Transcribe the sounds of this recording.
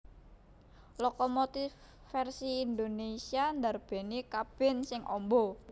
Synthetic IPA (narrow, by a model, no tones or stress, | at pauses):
lɔkɔmot̪if | fɛrsiːnd̪onesiand̪arb̥e̤nikab̥ɛ̤nsɪŋʔɔ̰mbɔ